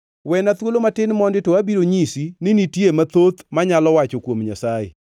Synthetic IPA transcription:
wɛnat̪wolomatɪnmɔndɪtoabiɾoɲisinɪnitjemat̪ot̪maɲalɔwat͡ʃokwomɲasaḛ

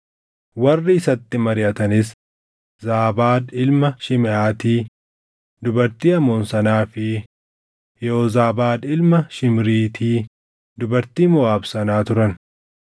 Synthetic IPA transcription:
wɐrːɪːsɐt̪ːɪmɐɾɪʔɐt̪ɐnɪs | zaːbaːd̪ɪlmɐʃɪmɪʔaːt̪iː | d̪ʊbɐɾt̪iːɐmoːnsɐnaːfɪ | jɛoːzaːbaːd̪ɪlmɐʃɪmɾiːt̪ʰiː | d̪ʊbɐɾt̪iːmʊaːbsɐnaːt̪ʊɾɐn

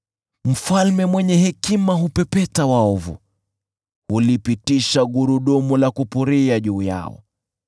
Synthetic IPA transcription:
m̩falmɛmwɛɲɛɦɛkimaɦupɛpɛtawaɔvṵ | hulipitiʃaɡuɾuɗɔmulakupuɾiaʄuːja̰ɔ̰

